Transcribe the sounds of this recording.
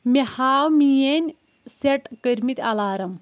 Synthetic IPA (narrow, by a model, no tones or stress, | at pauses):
mehaːwmijenʲ | seʈkəɾmit̪ʲɐlaːɾɐm